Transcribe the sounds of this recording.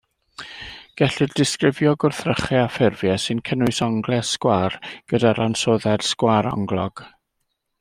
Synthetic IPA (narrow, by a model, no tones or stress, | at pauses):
ɡ̥ɛɬɨrdɪskrɪvjɔɡʊrθrəχɛafɪrvjɛsɨnkʰənʊɨsɔŋɡlˠɛskwaːrɡ̥ədaɾansoːðɛrskwaɾɔ̰ŋɡlˠɔɡ̥